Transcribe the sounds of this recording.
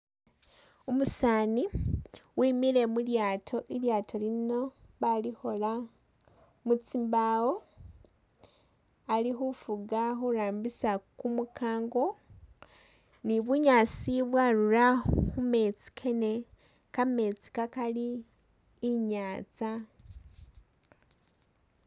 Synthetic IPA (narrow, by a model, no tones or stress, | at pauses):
umusaːniwiːmiɾe̞muljaːtʰo̞ʔiljaːtʰolino̞βaliho̞la | mut͡simbawo̞ | alixufuɡaxuɾaːmbisakumukʰaːŋɡo̞ | niβuɲat͡siβwaɾuɾaxume̞t͡si̥kʰe̞ne | kame̞t͡si̥kakaliː | ɲaːt͡sa